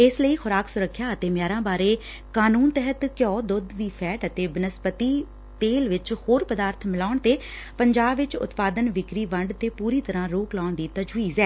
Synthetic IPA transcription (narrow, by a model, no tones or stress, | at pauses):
ɪsləiːxʊɾaːksʊɾəkʰːjaːət̪eːmjaːɾãːbaːɾeː | kaːnuːnt̪ɛɦət̪kjɔːd̪ʊd̪d̪iːpʰɛːʈət̪eːbɪnəspət̪iː | t̪eːlʋɪt͡ʃhoːɾpəd̪aːɾt̪ʰmɪlaːɳt̪eː | pəɲd͡ʒaːbʋɪt͡ʃʊ̰t̪paːd̪ənʋɪkɾiːʋəɳɖt̪eːpuːɾiːt̪əɾãːɾoːklaːɳd̪iːt̪əd͡ʒʋiːzɛː